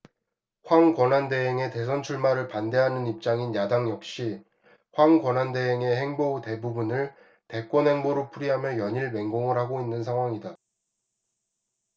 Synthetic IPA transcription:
ɸwaŋkwʌnande̞ɦeŋe̞te̞s̬ʰʌnt͡ɕʰuɭmaɾɯɭpande̞ɦanɯnip̚t͡ɕ͈aŋinjadaŋjʌk̚ɕ͈i | ɸwaŋkwʌnɦande̞ɦeŋe̞ɦe̞ŋboute̞bubunɯɭ | te̞k͈wʌnɦe̞ŋboɾopʰuɾiɦamjʌjʌɲiɭme̞ŋɡoŋɯɭhaɡoinːɯnsʰaŋɦwaŋida

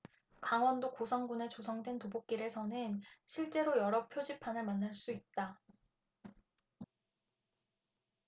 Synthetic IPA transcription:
kaŋwʌndokosʰʌŋɡune̞t͡ɕosʰʌŋdwentobok̚k͈iɾe̞sʰʌnɯnɕʰiɭt͡ɕ͈e̞ɾojʌɾʌk̚pʰjod͡ʑipʰanɯɭmanːaɭs͈uit̚t͈a

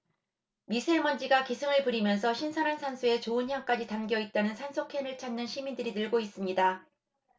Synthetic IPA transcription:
misʰemʌnd͡ʑiɡakisʰɯŋɯɭpuɾimjʌnsʰʌɕʰinsʰʌnansʰansʰue̞t͡ɕoɯnçjaŋk͈ad͡ʑitanɡjʌit̚t͈anɯnsʰansʰokʰe̞nɯɭt͡ɕʰanːɯnɕʰimindɯɾinɯɭɡois͈ɯmɲida

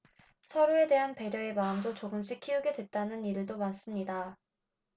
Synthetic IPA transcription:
sʰʌɾue̞de̞ɦanpe̞ɾjʌe̞maɯmdot͡ɕoɡɯmɕ͈ʰikʰiuɡe̞dwe̞t̚t͈anɯniɾɭdomas͈ɯmɲida

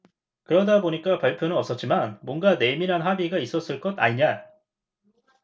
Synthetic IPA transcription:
kɯɾʌdaboɲik͈apaɭpʰjonɯnʌp̚s͈ʌt̚t͡ɕ͈imanmwʌnɡane̞miɾɦanɸabiɡais͈ʌs͈ɯɭk͈ʌda̰ɲiɲa

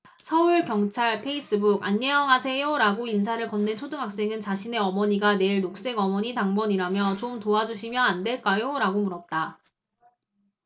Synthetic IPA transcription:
sʰʌuɭkjʌŋt͡ɕʰaɭpʰe̞is͈ɯbuɡaɲːejʌŋɦasʰe̞joɾaɡoinsʰaɾɯɭkʌnːent͡ɕʰodɯŋɦak̚s͈e̞ŋɯnt͡ɕaɕʰine̞ʌmʌɲiɡane̞ɭnok̚s͈e̞ɡʌmʌɲitaŋbʌɲiɾamjʌt͡ɕomtoad͡ʑuɕʰimjʌandwe̞ɭk͈ajoɾaɡomuɾʌt̚t͈a

